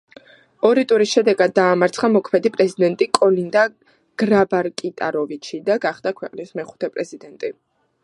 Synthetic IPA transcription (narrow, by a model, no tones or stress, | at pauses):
ɔɾit̪ʼuɾisʃɛd̪ɛɡad̪̚ːaːmaɾt̪sʰχamɔkʰmɛd̪ipʼɾɛzid̪ɛnt̪ʼikʼɔlind̪a | ɡ̥ɾabaɾkʼit̪ʼa̰ɾɔvit͡ʃʰid̪aɡaχd̪̥akʰwɛqʼnismɛχu̥t̪ʰɛpʼɾɛzid̪ɛnt̪ʼi